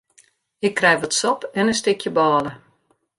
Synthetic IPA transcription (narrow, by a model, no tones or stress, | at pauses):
ɪkːrɛjʋɔtsɔpɛnəstɪkʰjəbɔːlə